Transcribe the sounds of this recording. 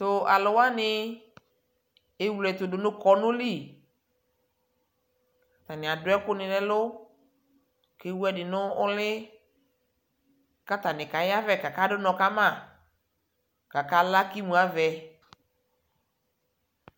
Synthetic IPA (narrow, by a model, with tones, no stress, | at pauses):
tʊ˨a˨lʊ˨wa˦nɪ˦ | e˨˦wu˨lɛ˨t̪ʊ˨dʊ˨nʊ̃˦kɔ˨nʊ̃˦li˦˨ | ka˨t̪a˨nɪ̃˨a˨dʊ˦ɛ˦kʊ˦nɪ̃˨lɛ˦lʊ˦ | ke˦wu˦ɛ˦dɪ˨nʊ˦ʊ˦lɪ˦ | ka˦t̪a˨nɪ̃˨ka˨jɪ˦a˦vɛ˨ka˨ka˦dʊ˦nɔ̃˨ka˦mã˦˨ | ka˨ka˦la˦ki˦mũ˨a˨˦vɛ˨